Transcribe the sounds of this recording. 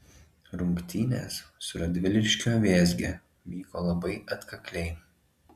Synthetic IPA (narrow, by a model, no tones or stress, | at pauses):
ɾʊŋkt̪ʲiːnʲḛːssʊɾɐd̪ʲʋʲɪlʲɪʃʲkʲoːʋʲeːzʲɡʲḛː | ʋʲiːkoːlˠɐbɐɪɐt̪kɐkʲlʲɛɪ